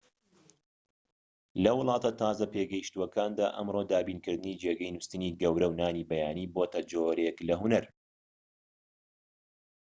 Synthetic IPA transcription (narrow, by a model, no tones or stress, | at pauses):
lɐwʊlˠɑːt̪ɐt̪ʰɑːzɐpeɡɐjiʃt̪uwɐkaːnd̪a̰ːʔɐmɾoːd̪aːbiːnkɨɾd̪ɨniːd͡ʒeːɡɐjnust̪ɨniːɡɐwɾɐwnaːniːbɐjaːniːboːt̪ɐd͡ʒoːɾeklɐɦunɐɾ